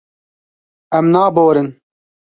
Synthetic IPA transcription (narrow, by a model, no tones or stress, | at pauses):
ɛmnaːboːɾɨn